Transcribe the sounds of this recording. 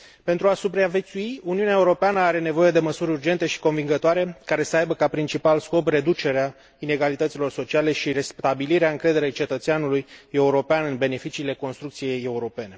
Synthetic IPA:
pe̞nt̪ɾuasupɾeavet̪suiuniunaeuɾo̞peanəaɾe̞ne̞vo̞je̞d̪e̞məsuɾʲurd͡ʒe̞nt̪e̞ʃi̥ko̞nviŋɡət̪oaɾe̞kaɾe̞səajbəkapɾint͡ʃipalsko̞p̬re̞d̪ut͡ʃe̞ɾea | ine̞ɡalit̪ət̪sʲilo̞rso̞t͡ʃiale̞ʃiɾest̪abiliɾeaɨŋkɾe̞d̪e̞ɾe̞jt͡ʃe̞t̪ət̪seanuluje̞uɾo̞peanɨnbe̞ne̞fit͡ʃiːle̞ko̞nst̪ɾuk̚t̪sije̞je̞uɾo̞pe̞ne̞

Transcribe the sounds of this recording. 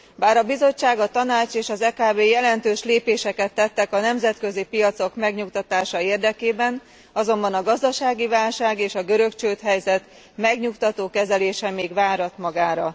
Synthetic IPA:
baːɾɒbizo̞t͡ʃːaːɡɒt̪ɒnaːt͡ʃeːʃɒzɛkaːbeːjɛlɛnt̪øːʃleːpeːʃɛkɛt̪ːɛt̪ːɛkɒnɛmzɛt̪kø̞zipijɒt̪so̞kmɛɡɲukt̪ɒt̪aːʃɒeːrd̪ɛkeːbɛn | ɒzo̞mbɒnɒɡɒzd̪ɒʃaːɡivaːlʃaːɡeːʃɒɡøɾø̞kt͡ʃøːt̪ɦɛjzɛt̪ | mɛɡɲukt̪ɒt̪oːkɛzɛleːʃɛmeːɡʋaːɾɒt̪mɒɡaːɾɒ

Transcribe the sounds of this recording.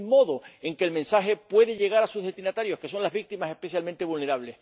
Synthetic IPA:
mo̞ðoe̞ŋkeːlmẽ̞nsaɦe̞pwe̞ðeʎe̞ɣ̞aɾasuzðet̪inat̪aɾjo̞hke̞so̞nlazβik̚t̪imasehpe̞θjalment̪eβulne̞ɾaβle̞s

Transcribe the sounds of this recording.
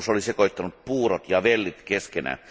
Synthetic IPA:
solisekoit̪ːɑnut̪̚puːrot̪jɑʋelːit̪keskenæ̰

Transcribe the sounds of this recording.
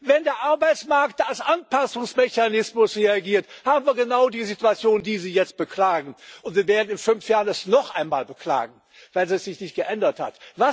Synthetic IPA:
vɛndeːɐʔaɐbaɪt͡smaɐktalsʔanpasʊŋsmɛçanɪsmʊsʁeaɡiːɐthaːbm̩viːɐɡənaʊdiːzituat͡sjoːndiːziːjɛt͡st̚b̥əklaːɡŋ̩ʔʊntviːɐveːɐdn̩ɪnfʏnfjaːʁənɛsnɔχʔaɪnma̰ːlbəkʰl̥a̰ːɡŋ̩ | v̥aɪlzisz̥ɪçnɪçt̚ɡ̥əʔɛndɐtha̰tva

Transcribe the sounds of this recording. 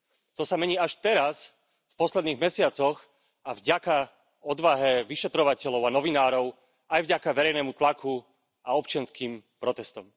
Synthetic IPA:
t̪ɔsamɛɲiːaʃt̪ɛɾas | fpɔslɛd̪niːɣmɛsɪat͡sɔx | avɟaka | ɔd̪ʋaɦɛʋiʃɛt̪ɾɔʋacɛʎɔʊanɔʋinaːɾɔʊ | ajvɟakaʋɛɾɛjnɛːmut̪lakʰu | ʔaɔp̚t͡ʃɪanskiːmpɾɔt̪ɛst̪ɔm

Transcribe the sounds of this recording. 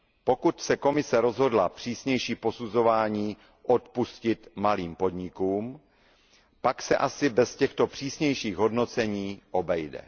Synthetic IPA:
po̞kut̪sɛko̞mɪsɛɾo̞zɦo̞dlapr̝̥iːsɲɛjʃiːpo̞suzo̞vaːɲiː | ʔot̪puscɪt̪maliːmpo̞dɲɪkuːm | paksɛ̰ʔasɪbɛscɛxt̪o̞pr̝̥iːsɲɛjʃiːɣɦo̞dno̞t͡sɛɲiːʔo̞bɛjdɛ̰

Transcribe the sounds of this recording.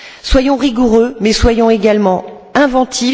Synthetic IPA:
swajɔ̃ʁiɡuʁømɛswajɔ̃eɡalmɑ̃ | ɛ̃vɑ̃t̪ʰi

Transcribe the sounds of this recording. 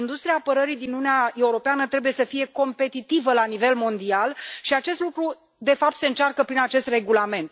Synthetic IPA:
ind̪ust̪ɾiaːpəɾəɾid̪inununeae̞uɾo̞peanət̪ɾe̞buje̞səfije̞ko̞mpe̞t̪it̪ivəlanive̞lmo̞nd̪ialʃiat͡ʃe̞st̪lukɾu | d̪e̞fapt̪se̞ɨnt͡ʃarkəpɾinat͡ʃe̞st̪re̞ɡulame̞nt̪

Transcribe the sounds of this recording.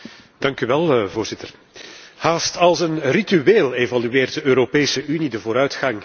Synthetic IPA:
d̥ɑŋkyʋɛlˠvoːrzɪtər | haːstɑlˠsənrityeːlevalyeːrd̚dəøːɾopeːsəʔynidəvoːɾœɥtxɑŋ

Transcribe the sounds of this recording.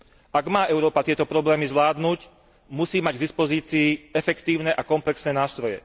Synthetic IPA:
aɡmaːʔɛʊɾɔːpat̪ɪɛt̪ɔpɾɔblɛːmizʋlaːd̪nuːc | musiːmaɟɡd̪ispɔziːt͡siːɛfɛkt̪iːʊnɛʔakɔmplɛksnɛnaːst̪ɾɔjɛ̰

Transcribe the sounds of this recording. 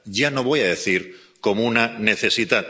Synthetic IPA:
ɟ͡ʝano̞β̞o̞jaðe̞θiɾ | ko̞mounane̞θe̞sit̪a

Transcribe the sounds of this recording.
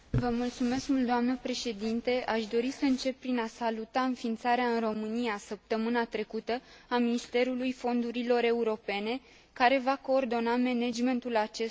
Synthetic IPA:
vəmult̪sume̞skmult̪d̪oamnəpɾe̞ʃe̞d̪int̪e̞ʔaʃd̪o̞ɾisəɨnt͡ʃe̞p̚ːɾinasalut̪aɨnfint̪saɾeaɨnro̞mɨnijasəp̚t̪əmɨnat̪ɾe̞kut̪əaminist̪e̞ɾulujfo̞nd̪uɾilo̞ɾe̞uɾo̞pe̞ne̞ | kaɾe̞vako̞ːrd̪o̞name̞ned͡ʒme̞nt̪ulat͡ʃe̞

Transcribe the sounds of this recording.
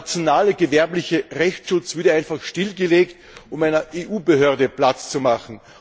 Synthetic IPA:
t͡sjonaːləɡəvɛɐplɪçəʁɛçt͡sʃʊt͡sv̥ʏɐdəaɪnfaχʃtɪlɡəleːkt | ʊmæɪnɐʔeːʔuːbəɦøːɐdəplat͡st͡sumaχn̩

